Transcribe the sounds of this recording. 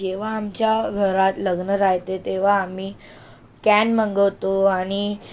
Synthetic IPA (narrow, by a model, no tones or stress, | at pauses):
eʋ̤aːmt͡ɕjaɡʱəɾat̪ləɡnəɾaɦt̪et̪eʋ̤aːmiː | kænməŋɡəʋt̪oaɽ̃i